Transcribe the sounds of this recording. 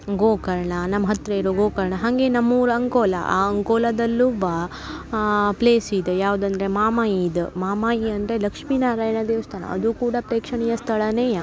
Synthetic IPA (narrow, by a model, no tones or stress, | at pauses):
ɡoːkɐɾɳɐnɐmːɐɦɐt̪ɾɐiɾoɡoːkɐɾɳɐɦaŋɡenɐmːuːɾuɐŋkoːlɐ̰ʔa̰ɐŋkoːlɐd̪ɐlːuba | pleːsid̪jaːʋud̪ɐnd̪ɐɾemaːmajid̪maːmaːjiɐnd̪ɾelɐkʂmiːnaːɾaːjnɐd̪eːʋɐst̪ʰaːnɐ̰ɐ̰d̪ukuːɽapɾeːkʂɐɳijɐst̪ʰɐɭɐneːja